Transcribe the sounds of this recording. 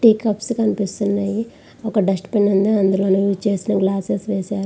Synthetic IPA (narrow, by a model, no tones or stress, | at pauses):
ʈiːkːɐpskɐnipist̪unːaːji | ɔkɐɖɐsʈpeɳːɐnd̪ɐɐnd̪ulo̞ːnuʋit͡ʃe̞ːsinɐɡlaːsesʋeːsaːɾu